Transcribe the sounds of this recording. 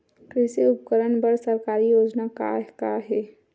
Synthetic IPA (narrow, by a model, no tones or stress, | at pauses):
kɾɪsiʊpkəɾənbəɾsəɾkaːɾijoːd͡ʒnaka̰kaɦɛ